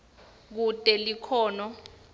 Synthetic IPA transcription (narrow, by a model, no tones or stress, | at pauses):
k̬utʼɛlikʰɔːnɔ